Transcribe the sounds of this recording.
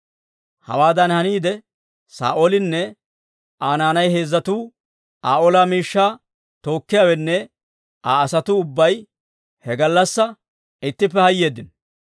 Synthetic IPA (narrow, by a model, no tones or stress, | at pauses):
hɐ̰waːd̪ɐnhɐniːd̪ɛ | sa̰ːʔolɪnːɛ | aːnaːnɐjhe̞ːzːɐt̪uː | aːʔolaːmiːʃːaː | t̪o̞ːkːɪjaːwɛnːɛ | aːsɐt̪ʊʊbːɐj | hɛɡɐlːɐsːɐ | ɪt̪ːɪp̬ːɛhɐjːe̞ːd̪ːɪn